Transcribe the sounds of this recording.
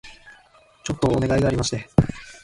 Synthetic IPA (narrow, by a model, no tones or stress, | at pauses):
t͡ɕo̞t̪ːo̞ːne̞ɡaiɡaːɾʲimaɕi̥t̪e̞